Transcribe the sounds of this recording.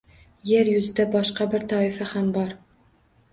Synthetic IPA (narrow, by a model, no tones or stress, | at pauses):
jeɾjʊzɪd̪abɒʃqɑbɪɾt̪ʰɒɪfahambɒɾ